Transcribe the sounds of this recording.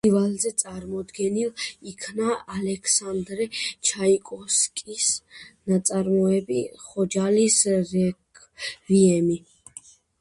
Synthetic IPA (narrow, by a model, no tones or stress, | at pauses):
ivalzɛt̪sʼaɾmɔd̪ɡɛnilikʰnaːlɛkʰsand̪ɾɛt͡ʃʰaikʼɔskʼisnat̪sʼaɾmɔɛbiχɔd͡ʒalisɾɛ | viɛmi